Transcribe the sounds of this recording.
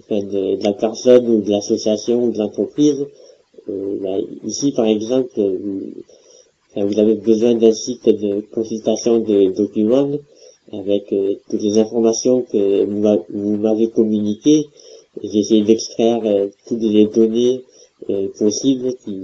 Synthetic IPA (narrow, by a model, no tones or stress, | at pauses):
ɑ̃fɛ̃d̪əd̪əlapɛʁsɔnud̪əlasɔsjasjɔ̃ud̪əlɑ̃t̪χəpχiz | øbaḭsipaʁɛɡzɑ̃plvũ | fɛ̃vuzavebəzwɛ̃d̪ɛ̃sid̪əkɔ̃sylt̪asjɔ̃d̪əd̪ɔkʲymɑ̃d̪ | avɛkøt̪ut̪lezɛ̃fɔʁmasjɔ̃kəumavumavekɔmynikʲe | ʒeesejed̪ɛkst̪χɛʁøt̪ut̪led̪ɔne | øpɔsiblkʲi